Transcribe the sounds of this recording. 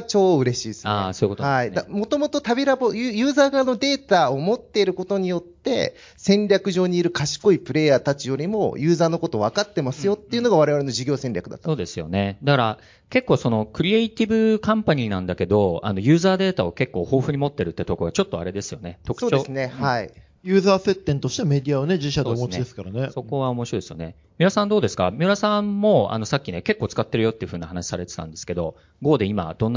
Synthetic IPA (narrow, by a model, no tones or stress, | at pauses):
t͡ɕo̞ːɯ̟ɾe̞ɕiːsɨansoːjikooaid̪amo̞t̪o̞mo̞t̪o̞t̪abʲiɾabo̞jɯːjɯ̟ːzaːɡano̞d̪e̞ːt̪aomo̞t̪ːe̞iɾɯ̟ko̞t̪o̞ɲ̟ijo̞t̪ːe̞̰ | sẽ̞nɾʲakɯ̟ʑo̞ːɲ̟iːɾɯ̟kaɕi̥ko̞ipɯ̟ɾe̞ːjaːt̪at͡ɕijo̞ɾʲimo̞̰jɯ̟ːzaːno̞ko̞t̪o̞βakat̪ːe̞masɨjo̞t̪ːeiɯ̟noɡaβ̞aɾe̞β̞aɾe̞no̞d͡ʑiɡʲo̞ːsẽ̞nʲɾʲakɯ̟d̪a̰t̪ːsoːd̪e̞sɨjo̞̰ne̞d̪akaɾa | ke̞kːoːso̞no̞kɯ̟ɾʲieit̪ʲibɯ̟kãmpaɲ̟iːnãnd̪ake̞d̪o̞a̰no̞jɯ̟ːzaːd̪e̞ːt̪ao̞ke̞kːo̞ːho̞ːɸɯ̟ɲ̟imo̞t̪ːe̞ɾɯ̟t̪ːet̪o̞koɡat͡ɕo̞t̪ːo̞aɾe̞d̪esɨjo̞̰ne̞t̪o̞kɯ̟̥oːt͡ɕoesnehai | jɯ̟ːzaːse̞t̪ːẽnt̪o̞ɕi̥t̪eme̞d̪ʲiaone̞d͡ʑiɕad̪eomot͡ɕid̪esɨ̥kaɾaneso̞ko̞β̞ao̞mo̞ɕiɾod̪e̞sɨjo̞ne̞ | mʲiɾasãnd̪o̞ːd̪e̞sɨ̥ka̰mʲɨɾasãmːo̞a̰no̞sakʲːine̞ke̞kːo̞ːt͡sɨ̥kat̪ːe̞ɾɯ̟jo̞t̪ːeiɯ̟ɸɯ̟ːɲiahanaɕi̥saɾe̞t̪e̞̥t̪ã̰nd̪e̞sɨ̥ke̞d̪o̞ | ɡo̞ːd̪e̞ima̰d̪̥õ̞nːa